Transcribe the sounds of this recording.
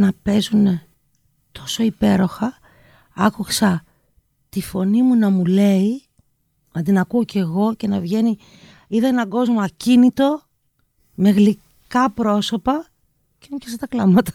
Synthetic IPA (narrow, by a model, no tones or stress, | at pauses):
nɐpe̞zune | t̪ʰo̞so̞ipe̞ɾo̞xɐ | ɐkuksɐ | t̪ifo̞nimunɐmule̞i | nɐd̪inɐkuoce̞ɣo̞ce̞nɐvʝe̞ni | iðɐenɐɡo̞zmoɐcinit̪o̞ | me̞ɣli | kɐpɾo̞so̞pɐ | ce̞mupçeset̪ɐklɐmɐt̪ɐ̥